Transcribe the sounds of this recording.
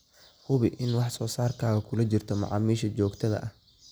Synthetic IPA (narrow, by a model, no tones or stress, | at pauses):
hʊβɪʔɪnwɑħsɔːsaːrkʰaːɣɐkʰʊlɐt͡ʃɪrt̪ʰɔmɑ̰ʕɑ̰ːmiːʃɐt͡ʃɔːɡt̪ʰɐðɐ̰ʔɐh